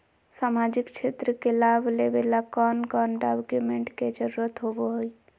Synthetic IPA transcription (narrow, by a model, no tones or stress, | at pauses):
saːmad͡ʒɪkt͡ʃʰeːt̪ɾəkelaːbʱlebelakɔːnkɔːnɖabkjumeɳʈked͡ʒəɾuɾət̪ɦoboɦoi